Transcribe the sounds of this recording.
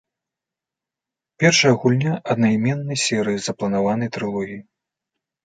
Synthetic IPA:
pʲɛrʂɐjɐɣulʲnʲaʔɐd̪nɐjmʲɛnːɐjsʲɛɾɨjizɐplˠɐnavanɐjt̪ɾɨlˠɔɣʲiji

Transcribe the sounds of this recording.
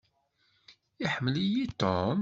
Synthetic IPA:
iħəmːəlijit̪om

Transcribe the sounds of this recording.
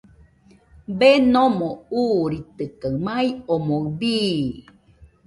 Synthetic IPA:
benomouɾit̪ɨkamaiomobi

